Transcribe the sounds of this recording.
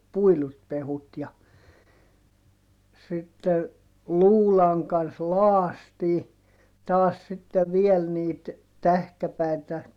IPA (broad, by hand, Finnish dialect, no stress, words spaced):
puilut pehut jɑ sitːe luːlɑŋ kɑns loɑstiː tɑːs sitːe ʋiel niːt tæhkæpæˑitæ